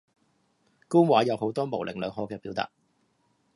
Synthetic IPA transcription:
kuː˥nwaː˨˥jɐ˨˧who˨˥wt̪ɔː˥mo˨˩wlʔɪ̰˨˩ŋlœː˨˧ŋhɔː˨˧kɛː˧piː˨˥wt̪a̰ː˨˩t̚

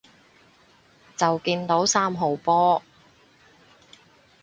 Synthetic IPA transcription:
t͡sɐ˨wkiː˧nt̪o˨˥wsaː˥mɦo˨wpɔː˥

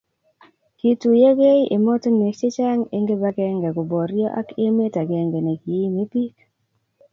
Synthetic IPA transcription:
ki˨tu˨je˦ɡe˦iʔe˨mɔ˦tŋme˨t͡ʃe˦t͡ʃa˦ŋe˦ŋɡe˦ba˦ɡɛ˦ŋɡɛ˨ɡʊ˨bɔ˨ɾjɔ˦ʔa̰˦ke˦me˦ta˨ɡɛ˨ŋɡe˨ne˨ki˨e˦me˦pi˦k

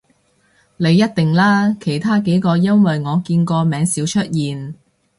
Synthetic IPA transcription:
le˨˧jːɐ˥t̚t̪ɪ˨ŋlaː˥kʰe˨˩jt̪ʰaː˥ke˨˥jkɔː˧jɐ˥nwɐ˨jŋɔː˨˧kiː˧nkɔː˧mɛː˨˧˥ŋsiː˨˥wt͡ʃʰɵ˥t̚jiː˨n

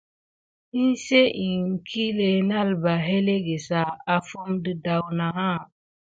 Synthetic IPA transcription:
i˦nse˦ʔi˨ŋ˨kʰi˦le˨na˦˨lba˨ɦe˦le˦ɡe˨sa˨a˨fu˦mdɨ˨da˨wna˨ɦa˦˨

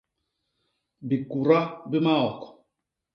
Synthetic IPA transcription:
bi˨ku˨ɾa˦bi˦ma˦ɔ˨k

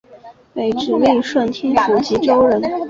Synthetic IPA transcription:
pe˨˩ɪʈ͡ʂɻ̩˨˩li˥˩ʂwə˥˩nt̪ʰjɛ˥nfu˨˩t͡ɕi˧˥ʈ͡ʂo˥ʊɻə˧˥n

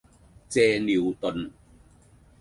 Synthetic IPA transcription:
t͡sɛː˧ni˨˩wt̪o˨˩n

